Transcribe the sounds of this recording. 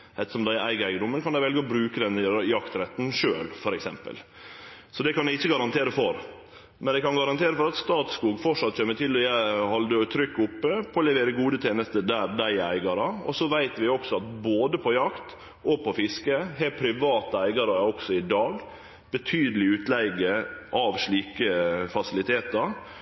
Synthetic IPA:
ɛt̪ːəʂɔmd̪æɪæɪɡəæɪɡəd̪ʊmːənkʰɑnd̪æɪʋɛlɡəɔbɾʉːkəd̪ɛnjɑkt̪ɾɛt̪ːn̩ʂøːlfɔɾɛksɛ̰mpə̰l | sɔd̪ɛkɑnæɪɪçːəɡɑɾɑnt̪ʰeːɾəfɔɾ | mɛnæɪkɑnɡɑɾɑnt̪ʰeːɾəfɔɾɑt̪st̪ɑːt̪skuːɡfɔʂɑt̪ːc͡çeːmət̪ʰɪlːɔjæɪhɑld̪əɔt̪ʰɾʏkːʊpːəpʰɔlɛʋeːɾəɡuːd̪ət̪ʰeːnəst̪əd̪æːɾd̪æɪæ̰ɪɡɑɾɑɔ̰sɔʋæɪt̪ʋɪɔksɔɑt̪boːd̪əpʰɔjɑkt̪ | ʔɔpʰɔfɪskəɦæpʰɾɪʋɑːt̪əæɪɡɑɾəɔksɔɪd̪ɑːɡ | b̥ət̪ʰyːd̪əlɪʉːt̪læɪɡəʔɑʋʂɭiːkəfɑsɪlɪt̪ʰeːt̪ɑɾ

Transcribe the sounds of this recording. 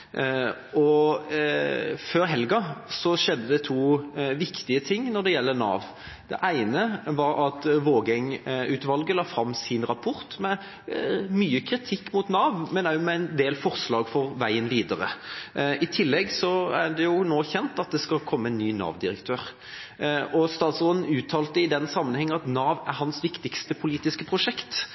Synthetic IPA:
ɔ | føːɾɦɛlɡɑsɔʂɛd̪ːəd̪ɛt̪ʰuːʋɪkt̪ɪət̪ʰɪŋːnɔd̪ɛjɛlːənɑ̰ːʋ | d̪̥ɛ̰ʔæɪnəʋɑɾɑt̪ʋoːɡɛŋʉːt̪ʋɑlɡəlɑːfɾɑmːsɪnɾɑpʰʊɾt̪mɛ | myːəkʰɾɪt̪ʰɪkːmʊt̪nɑːʋmɛnæmɛæɪnd̪eːlfɔʁslɑːɡfɔʁʋæɪənʋiːd̪əɾə̰ | ɪt̪ʰɪlːɛɡsɔæɖ̪ɛjʊnoːçɛnt̪ɑt̪̚d̪ɛskɑlkʰɔmːəɛnːyːnɑ̰ːʋd̪ɪɾəkt̪ʰøːɾ | ʔɔst̪ɑːt̪soːd̪n̩ʉːt̪ʰːɑːlt̪əɪd̪ɛnsɑmːənhɛŋːəɑt̪nɑːʋæɾhɑnsʋɪkt̪ɪkst̪əpʰʊliːt̪ɪskəpʰʁʊʂɛkt̪

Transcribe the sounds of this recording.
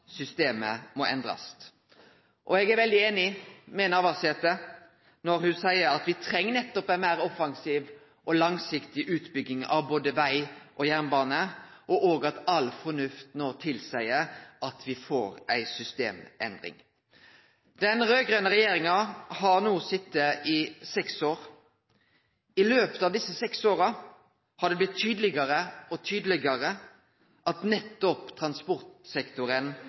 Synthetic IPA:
sʏst̪eːmə̰mɔɛ̰nd̪ɾɑ̰s | ʔɔɛɡæɾʋɛld̪ɪeːnɪmɛnɑʋɑseːt̪ə | nɔɾhʉsæɪəɾɑt̪ʋɪt̪ʰɾɛŋːənɛt̪ːɔpænmæɪɾɔfɑŋsiːʋ | ʔɔlɑŋsɪkt̪ɪʔʉːt̪bʏɡɪŋɑ̰ʋboːd̪əʋæɪʔɔjæʁnbɑːnəʔɔʔoːɡɑt̪ɑlfɔnʉft̪noːt̪ʰɪlsæɪəʔɑt̪ʰʋɪfo̰ːɾæɪsʏst̪ḛːmɛ̰nd̪ʁɪ̰ŋ | d̪ɛnɾøːɡʁøːnəʁɛjeːɾɪŋɑhɑʁnuːsɪt̪ːəʔɪsɛksoːɾ | ɪløːpə̥t̪ɑːʋd̪ɪsːəsɛksoːɾɑ | hɑd̪ɛblɪt̪ʰːyːd̪əlɪɡəɾəɔt̪ʰyːd̪əlɪɡɑʁə | ʔɑt̪nɛt̪ːɔpt̪ʰʁɑnspɔʁt̪sɛkt̪ʊɾən

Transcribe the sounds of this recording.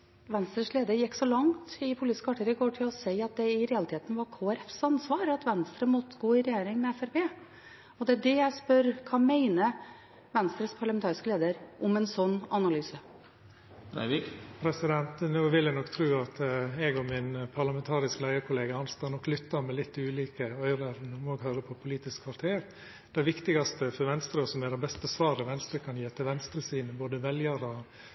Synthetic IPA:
ʋɛnst̪ɾəʂleːd̪əɾjɛkːsɔlɑŋt̪ɪpʰʊlit̪ɪskəɑʈʰːəɾɪɡoːʈʰɪlɔsæɪɑt̪̚d̪ɛɪɾɛɑlɪt̪ʰeːt̪n̩ʋɑɾkʰoːæɾɛfsɑnsʋɑːɾɑt̪ʋɛnst̪ɾəmɔt̪ːəɡoːɪɾɛjeːɾɪŋmɛɛfæɾpeː | ɔd̪ɛæɖɛjæɪspœɾkʰɑmæɪnə | ʋɛnst̪ɾəspʰɑɭɑmɛnt̪ɑːɾɪskəleːd̪əɾʔɔmɛnsɔnːɑnɑlyːsə | pʰɾɛsɪd̪ɛnt̪noːʋɪljænɔkːt̪ʰɾʉːɑt̪ɛɡɔmɪnpʰɑɾɭɑmɛnt̪ʰɑːɾɪsklæɪəɾkʰʊleːɡɑɑnst̪ɑːnɔkːlʏt̪ːɑɾmɛlɪt̪ːʉːliːkəœʏɾəɾnuːmɔɡɦøːɾəpʰɔpʰʊliːt̪ɪskʰʋɑɾt̪ʰeːɾ | d̪̥æʋɪkt̪ɪɡɑst̪əfɔɾʋɛnst̪ɾəɔsɔmæd̪ɛbɛst̪əsʋɑːɾəʋɛnst̪ɾəkʰɑnjiːɛt̪ʰːəʋɛnst̪ɾəsiːnəboːd̪əʋɛljɑɾɔ

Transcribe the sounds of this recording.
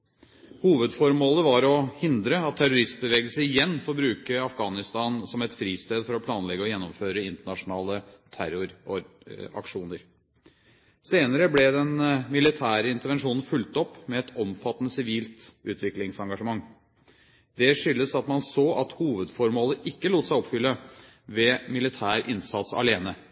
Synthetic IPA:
huːʋəd̪fɔɾmoːləʋɑɾɔhɪnd̪ɾəɑt̪ʰːæɾʊɾɪst̪̚bəʋeːɡəlsəɪjɛnːfɔɾbɾʉːkəɑfɡɑːnɪst̪ɑːnsɔmɛt̪fɾiːst̪eːd̪fɔɾɔpʰlɑːnlɛɡːəɔjɛnːɔmføːɾəɪnt̪əɳɑʂʊnɑːlət̪ʰæɾʊɾɔɾ | ɑ̰kʂuːnəɾ | seːnəɾəblɛd̪ɛnmɪlɪt̪ʰæːɾəɪnt̪əɾʋɛnʂuːnn̩fʉlt̪ɔpːmɛɛt̪ʰɔmfɑt̪ːənəsɪʋiːlt̪ʔʉːt̪ʋɪklɪŋsɑŋɡɑʂəmɑŋː | d̪ɛʂʏlːəsɑt̪mɑnsoːʔɑt̪huːʋəd̪fɔɾmoːləʔɪkːəluːt̪əsæɪɔpfʏlːə | ʋɛmɪlɪt̪ʰæːɾʔɪnsɑt̪sɑ̰leːnə

